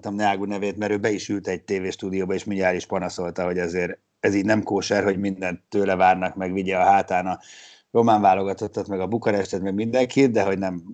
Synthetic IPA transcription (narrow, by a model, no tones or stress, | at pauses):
t̪ɒmnaːɡunɛveːt̪mɛɾøːbɛiʃylt̪ɛɟ̚t̪eːveːʃt̪uːd̪ijoːbɒeːʃmiɲaːliʃpɒnɒso̞lt̪ɒɦo̞ɟɛzeːɾ | ɛziːɟnɛmkoːʃɛrɦo̞ɟmind̪ɛnt̪ːøːlɛvaːrnɒkmɛɡʋiɟɛːɦaːt̪aːnɒ | ro̞maːɱvaːlo̞ɡɒt̪o̞t̪ːɒt̪mɛɡɒbukɒɾɛʃt̪ɛt̪mɛɡmind̪ɛŋkit̪̚d̪ɛɦo̞ɟnɛm